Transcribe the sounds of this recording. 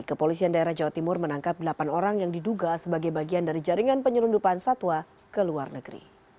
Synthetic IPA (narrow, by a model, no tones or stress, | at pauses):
kəpolisiandaeɾahd͡ʒawat̪imʊrmənaŋkap̚dəlapanoɾaŋjaŋdiduɡasəbaɡajbaɡiandaɾid͡ʒaɾiŋanpəɲəlundupansat̪wa | kəluarnəɡəɾḭ